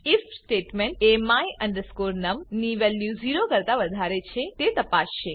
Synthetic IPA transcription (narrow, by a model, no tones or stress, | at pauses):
ifsʈeʈmẽɳʈemajə̃ɳɖəskoɾnəmniʋeljuziɾokəɾt̪aʋəd̪ʱaɾet͡ʃʰet̪et̪əpasʃe